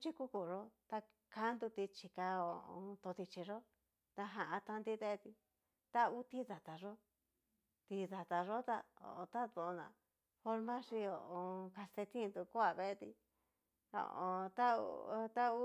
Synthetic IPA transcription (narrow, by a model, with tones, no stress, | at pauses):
t͡ʃi˦ku˦ku˧ʐo˦t̪a˧ | ka˦nd̪u˧t̪i˧t͡ʃi˧ka˧o˧õ̰˧t̪o˧ði˧t͡ʃi˧ʐo˦ | t̪a˧ɦã˧ʔã˧t̪ã˧nd̪i˦ðe˦˧t̪i˧ | t̪a˦u˦t̪i˦ða˨t̪a˨ʐo˦ | t̪i˧ða˨t̪a˧ʐo˦t̪a˧o̰˨˧t̪a˦ðo˧nã̰˨ | fo˧ɾmã˦ʂi˧o˨ʔõ˧ka˧st̪e˧t̪ĩ˦˧nd̪u˧ku˦a˧βe˧t̪ḭ˧ | o̰˨˧˨õ˧t̪a˦u˧t̪a˦u˦